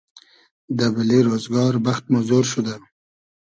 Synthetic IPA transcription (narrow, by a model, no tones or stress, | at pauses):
d̪əbaleɾozɡɑɾbaxt̪̚mazoɾʃʊd̪a